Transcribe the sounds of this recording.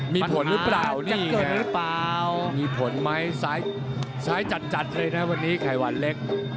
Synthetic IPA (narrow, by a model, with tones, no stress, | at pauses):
miː˧pʰo˩˦nɾɯ˦˥plaː˨˩wniː˥˩o˨˩ɾɯ˦˥plaː˨˧wmiː˧pʰo˨˩˦nma˦˥jsaː˦˥j | saː˦˥jt͡ɕa˨˩t̪̚t͡ɕa˨˩t̪̚lɤː˧jna˦˥wa˧nːiː˦˥kʰa˨˩jwa˨˧nle˦˥k̚